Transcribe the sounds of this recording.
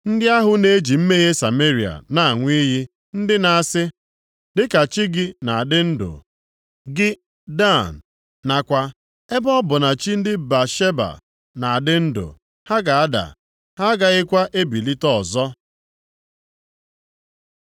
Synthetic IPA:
n̩˦dɪ˦a˦ɦʊ˨ne˦e˦d͡ʒi˨m̩˦me˦ɣe˦sa˨me˦ɾi˨a̰˨na˦a˨ŋʷi˦ɦi˦ | n̩˦dɪ˦na˨a˨sɪ˦ | dɪ˦ka˨t͡ʃi˦ɡɪ˦na˨a˨dɪ˦n̩˦do̰˨ | ɡɪ˦ | da˦˨n̩˨ | na˨kʷa˦ | e˦bɔ˦bʊ˨na˨t͡ʃi˦n̩˦dɪ˦ba˨ʃe˦ba̰˨ | na˨a˨dɪ˦n̩˦do̰˨ | ha˦ɡa˨a˦da̰˨ | ha˦ɡa˦ɣɪ˦kʷa˦ʔe˦bi˨li˦tɔ˦ɔ˨zɔ˦

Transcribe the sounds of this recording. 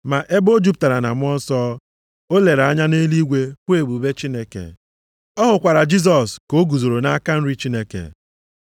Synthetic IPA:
ma˨ʔe˦bo˦d͡ʒu˦p̚ta˨ɾa˨na̰˨mʷ˦ɔ˦n˦sɔː˦ | o˦le˨ɾa˦ɲa˦ne˦li˦ɡʷe˦kʷe˦˨bu˨be˦t͡ʃi˦ne˦kḛ˨ | ɔ˦ɦʊ˨kʷa˨ɾa˨d͡ʒi˦s̬ɔ˨sko˦ɡu˨zo˨ɾo˨na˦a˦ka˦n̩˦ɾi˦t͡ʃi˦ne˦kḛ˨

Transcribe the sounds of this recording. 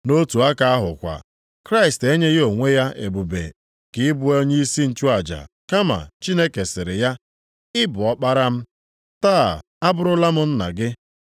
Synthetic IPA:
no˦tu˨a˦ka˨a˦ɦʊ˨kʷa̰˨ | kɾa˦ɪ˨ste˦ɲe˦ɣo˨ŋʷe˦ja˦ʔe˨bu˨bḛ˨ | kɪ˦ɪ˦bʊ˦o˦ɲ˦i˦si˦n̩˨t͡ʃu˦a˨d͡ʒa̰˨ | ka˦ma̰˨t͡ʃi˦ne˦ke˨sɪ˨ɾɪ˨ja˦ | ɪ˦bʊ˨ɔ˦k͡pa˦ɾa˦m̩˦ | ta˦˨ | a˦bʊ˦ɾʊ˦la˦mʊ˦n̩˦na̰˨ɡɪ˦

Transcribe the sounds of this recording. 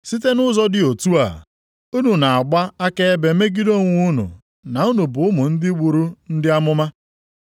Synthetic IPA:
si˦t̬e˦nʊ˦zɔ˦dɪ˦o˨tu˦a̰˨ | u˦nu˨na˨a˨ɡ͡ba˦a˦ke˦e˦be˨me˦ɡi˦do˦ŋʷu˦nṵ˨ | na˨u˦nu˨bʊ˨ʊ˦mʊ˨n̩˦dɪ˦ɡ͡bu˨ɾu˦n̩˦dɪ˦a˦mʊ˦ma˦

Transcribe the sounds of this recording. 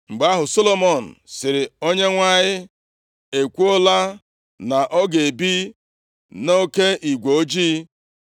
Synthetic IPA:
ŋ͡m̩˨ɡ͡ba˦ɦʊ˨so˦lo˦mɔ˨n̩˨sɪ˨ɾɪ˨o˦ɲe˦ŋʷa˦ɲɪ˦ | e˨kʷu˦o˦la˦ | na˨ʔɔ˦ɡe˨bi˦ | no˦ke˦ʔi˨ɡʷo˨o˦d͡ʒiː˦

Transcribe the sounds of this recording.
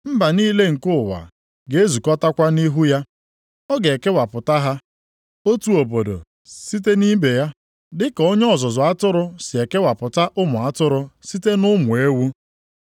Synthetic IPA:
m̩˦ba˨niː˦le˦ŋ̩˨kʊ˦˨wa̰˨ | ɡe˨e˦zu˨kɔ˦ta˦kʷa˦ni˦ɦu˦ja˦ | ɔ˦ɡe˨ke˦wa˨pʊ˨ta˦ɦa˦ | o˦tu˦o˨bo˨do̰˨ | si˦t̬e˦ni˦be˨ja˦ | dɪ˦ko˦ɲ˦ɔ˦˨zʊ˨zʊ˨a˦tʊ˦ɾʊ˦sɪ˨e˨ke˦wa˨pʊ˨ta˦ʔʊ˦mʊ˨a˦tʊ˦ɾʊ˦si˦te˦nʊ˦mʊ˨e˦wu˦

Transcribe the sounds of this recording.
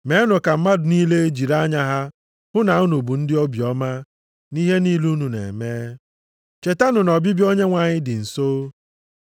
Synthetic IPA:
me˨˦nʊ˨ka˨m̩˦ma˦dʊ˨niː˦le˦d͡ʒi˨ɾa˦ɲa˦ɦa˦ | hʊ˦na˨u˦nu˨bu˨n̩˦dɪ˦ɔ˦bjɔ˦ma˦ | ni˦ɦe˦ni˦lu˦nu˨nḛ˨meː˦ | t͡ʃe˨ta˦nʊ˨nɔ˨bɪ˦bjo˦ɲe˦ŋʷa˨ɲɪ˦dɪ˨n̩˨soː˦

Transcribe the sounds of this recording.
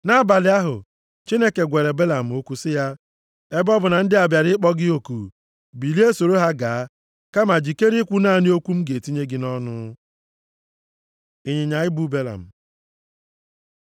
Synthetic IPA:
na˦ba˨lɪ˨˦a˦ɦʊ̰˨ | t͡ʃi˦ne˦ke˨ɡʷe˨le˨be˦la˨m̩˨o˦ku˦sɪ˦ja˦ | e˦bɔ˦bʊ˨na˨n̩˦dɪ˦a˨bja˨ɾɪ˦k͡pɔ˦ɡɪ˦o˨kṵ˨ | bi˨li˦e˦so˨ɾo˦ɦa˦ɡaː˨a˦ | ka˦ma˨d͡ʒi˨ke˦ɾi˦kʷu˦naː˦˨ni˦o˦kʷu˦m̩˦ɡe˨ti˦ɲe˦ɡɪ˦nɔ˦nʊ̰˦ | i˨ɲɪ˨ɲa˨ɪ˦bu˦be˦la̰˨m̩˨

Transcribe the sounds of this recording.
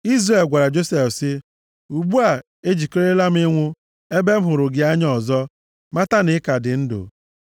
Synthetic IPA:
i˦zre˨lɡʷa˨ɾa˨d͡ʒo˦se˨fsɪ˦ | u˨ɡ͡bu˦a˨ | e˦d͡ʒi˨ke˦ɾe˦la˦m̩˦ɪ˦ŋʷʊ˦ | e˦be˦m̩˦ɦʊ˨ɾʊ˨ɡɪ˨a˦ɲ˦ɔ˨zɔ˦ | ma˦ta˦nɪ˦ka˨dɪ˨n̩˦dʊ̰˨

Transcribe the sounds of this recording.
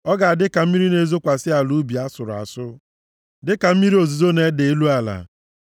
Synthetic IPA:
ɔ˦ɡa˨a˨dɪ˦ka˨m̩˦mi˦ɾi˦ne˦˨zo˦kʷa˨sɪ˦a˨lu˦bi˨a˦sʊ˨ɾʊ˨a̰˨sʊ˦ | dɪ˦ka˨m̩˦mi˦ɾi˦o˨zi˨zo˦ne˦de˨e˦lu˦a˨la̰˨

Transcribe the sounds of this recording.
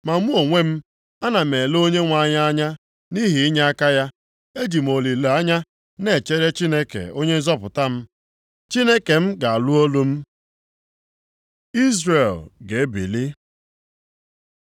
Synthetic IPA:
ma˨ŋʷu˦o˨ŋʷe˦m̩˦ | a˦na˨me˨lo˦ɲe˦ŋʷa˦˨ɲa˦a˦ɲa˦ | ni˦ɦi˨i˦ɲa˦a˦ka˦ja˦ | e˦d͡ʒi˨m̩˨o˨li˨le˨a˦ɲa˦ | ne˨t͡ʃe˦ɾe˦t͡ʃi˦ne˦kḛ˨o˦ɲe˦zɔ˦pʊ˨ta˦m̩˦ | t͡ʃi˦ne˦ke˨m̩˦ɡa˨a˨lu˦o˦lu˦m̩˦ | i˦zre˨lɡe˨˦bḭ˨li˦

